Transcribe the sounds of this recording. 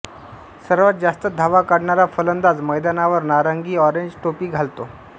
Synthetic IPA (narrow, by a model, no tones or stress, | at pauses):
səɾʋat̪̚d͡zast̪əd̪ʱaʋakaɽɳaɾafələnd̪ad͡zməjd̪anaʋəɾnaɾəŋɡiːɔɾeɲd͡ʑʈopiːɡʱalt̪o